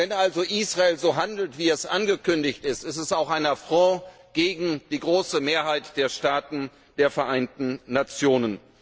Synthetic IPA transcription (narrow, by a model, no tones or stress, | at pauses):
vɛnʔalzoʔiːsʁ̥aeːlzoːɦandl̩tv̥iːɛsʔanɡəkʏndɪçtɪstɪstɛsaʊxʔaɪnɐfʁ̥ɔ̃ː | ɡ̥eːɡŋ̩d̥iːɡʁoːsəmeːɐɦaɪtd̥eːɐʃtaːtn̩ | d̥eːɐfɛɐʔaɪntn̩nat͡sjoːnən